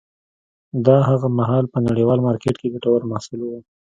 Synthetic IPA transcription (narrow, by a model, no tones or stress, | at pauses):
d̪ɑɦaɣamaɦɑlpənaɽiwɑlmɑɾkeʈked̪əʈawaɾmɑsɪlwu